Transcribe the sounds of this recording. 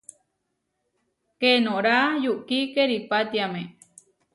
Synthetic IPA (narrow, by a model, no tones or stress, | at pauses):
kenõɾajuʔkikeɾipat̪iamẽ